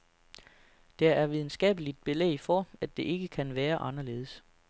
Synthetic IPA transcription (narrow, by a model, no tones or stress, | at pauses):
d̥ææɐʋið̞ˠn̩sɡ̥ɛ̰ːb̥əlid̥̚b̥e̝lḛɪfɒæd̥e̝ʔe̝ɡ̥əkʰænʋæːɐʔɑ̈nɐle̝̰ːðˠəs